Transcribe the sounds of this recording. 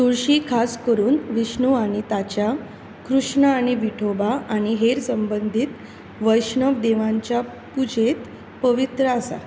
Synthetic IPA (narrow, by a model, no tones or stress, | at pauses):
t̪uɾɕikʰaskəɾuːnʋiɕɳuaɽ̃it̪at͡ɕja | kɾuʂɳəaɽ̃iʋiʈʰobaaɽ̃iɦeɾsəmbənd̪ʱit̪ | ʋəjʂɳəʋd̪eʋãɲt͡ɕja | pud͡ʑet̪ | pəʋit̪ɾəasa̰